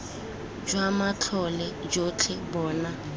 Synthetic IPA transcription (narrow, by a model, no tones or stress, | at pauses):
d͡ʒwamat͡ɬʰɔlɛd͡ʒot͡ɬʰɛbɔːna